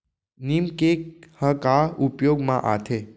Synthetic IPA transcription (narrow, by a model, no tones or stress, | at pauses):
nimkekhəkaupjoɡmã̰ʔat̪ʰe